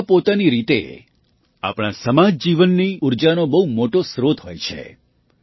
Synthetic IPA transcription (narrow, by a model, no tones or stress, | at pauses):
pot̪aniɾit̪ḛ | a̰pɽ̃asəmad͡ʒd͡ʒiʋənːiuɾd͡ʒanobəɦumoʈosɾot̪ɦojt͡ʃʰḛ